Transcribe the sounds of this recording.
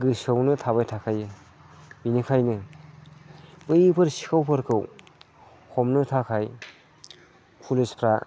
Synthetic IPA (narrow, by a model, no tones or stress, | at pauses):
ɡɯsɯwnɯtʰaβajtʰakʰajɯ | binikʰajnɯ | bɯjɯpʰɯɾsi̥kʰawpʰɯɾkʰɯw | hʰɔmnɯtʰakʰaj | pʰulispʰɾa